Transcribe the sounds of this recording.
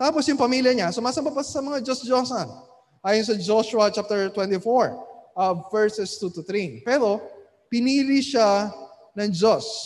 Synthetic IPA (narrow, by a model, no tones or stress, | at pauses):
t̪aːposjʊŋpɐmiːljɐɲasʊmaːsɐmbapɐsɐmɐŋad͡ʒosd͡ʒosɐn | ʔaːjons̬ɐd͡ʒoʃʊɐt͡ʃap̚t̪ɛɹt̪wɛ̃nt̪ifoɹʔɐvɛɹsɛst̪ut̪ʊθɾipɛɾo̞ | pɪniːlɪʃa | nɐŋd͡ʒos